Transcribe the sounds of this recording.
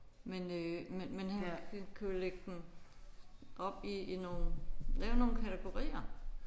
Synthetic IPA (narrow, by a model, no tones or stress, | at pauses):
menømenmenhæhænkʰuleɡ̥əd̥em | ʔɒ̽b̥iino̝ːn̩lɛːʊno̝ːn̩kʰæt͡sʰeɡ̥o̝ʁḭːɐ